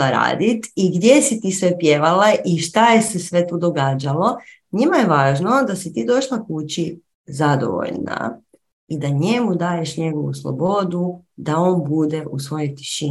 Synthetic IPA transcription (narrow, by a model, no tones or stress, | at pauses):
aɾa̰ːd̪it̪iɡd̪je̞sit̪iːsʋe̞pje̞ʋalaʔiʃt̪aje̞se̞sʋe̞t̪uːd̪o̞ɡaːd͡ʑalo̞ | ɲimaje̞ʋaːʒno̞d̪asit̪iːd̪o̞ʃlˠakut͡ɕi | zad̪o̞̰ʋo̞̰ʎna̰ | id̪aɲemud̪aːje̞ʃɲe̞ɡoʋṵslˠo̰bo̞d̪ud̪ao̞ːnbud̪eʔusʋo̞jot̪i̥ʃi